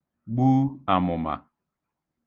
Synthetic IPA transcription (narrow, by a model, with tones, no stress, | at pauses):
ɡ͡bu˦a˨mɔ˨ma̰˨